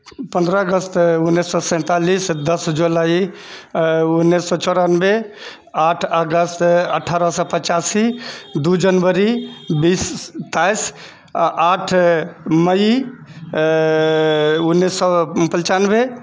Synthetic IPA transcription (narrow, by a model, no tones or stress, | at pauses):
pə̃nd̪ɾəəɡəst̪unːesːɔsɛ̃t̪alisd̪əsd͡ʒulai | unːisːɔt͡ʃɔɾanbe | aʈʰəɡəst̪əʈʰːaɾəsɔ̃pət͡ʃasid̪ud͡ʒənbəɾibist̪ajs | ʔaʈʰmə | unːisɔpəlt͡ʃanbe